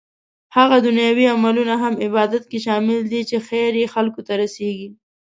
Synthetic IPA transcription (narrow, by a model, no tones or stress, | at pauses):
haɣad̪ʊnjɑwiamalunaɦamɪbɑd̪at̪̚keʃɑmɪld̪it͡ʃexeɾjexalkot̪aɾaseɡi